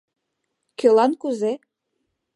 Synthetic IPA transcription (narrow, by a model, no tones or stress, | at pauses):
kølɑnkuze